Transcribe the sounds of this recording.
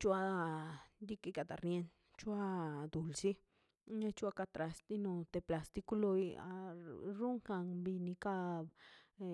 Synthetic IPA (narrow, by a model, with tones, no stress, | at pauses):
t͡ʃwa˦˧d̪i˦ki˧ka˧t̪a̰˨ɾnje˧n | t͡ʃu˦a˦d̪u˨lsi˦ | ɲã˦t͡ʃu˦a˧ka˧t̪ɾa˧st̪i˦nõ˧t̪e˧pla˧st̪i˧ku˦lo˧ja̰˧ɾu˦ŋka˧ŋbi˧nĩ˧ka˧b